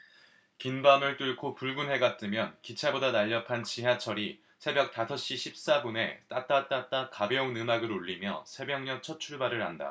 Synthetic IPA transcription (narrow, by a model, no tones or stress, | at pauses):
kinbamɯɭt͈uɭkʰopuɭɡunɦe̞ɡat̚t͈ɯmjʌnkit͡ɕʰabodanaʎːʌpʰant͡ɕiɦjat͡ɕʰʌɾi | sʰe̞bjʌk̚t͈asʰʌɕ͈iɕʰip̚s͈abune̞̰t͈at͈at͈at͈akabjʌunɯmaɡɯɾoʎːimjʌ̰sʰe̞bjʌŋɲʌk̚t͡ɕʰʌt͡ɕʰuɭbaɾɯɾɦanda̰